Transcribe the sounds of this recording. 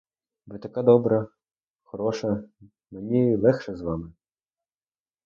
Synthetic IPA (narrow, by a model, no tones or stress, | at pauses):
ʋɪt̪ɐkɑd̪ɔbɾɐ | xxɔɾɔʃɐ | menʲilˠɛxʃɛzʋɑmɪ